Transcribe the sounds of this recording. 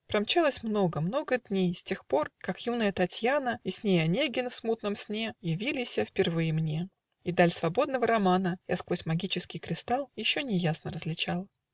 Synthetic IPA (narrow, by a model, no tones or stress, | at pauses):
pɾɐmt͡ɕalˠəsʲmno̞ɡəmno̞ɡəd̪ʲnʲejsʲtʲe̞xpo̞rkakjunəjət̪ɐtʲjanəisʲnʲejɐnʲeɡʲɪnfsmut̪nəmsʲnʲejɪvʲilʲɪsʲəfpʲɪrvɨjɪmnʲe̞ | id̪alʲsvɐbo̞d̪nəvəɾɐmanəja̰skvosʲmɐɡʲit͡ɕɪskʲɪjkɾʲɪst̪alˠjɪɕːo̞nʲɪjasnəɾəzlʲɪt͡ɕalˠ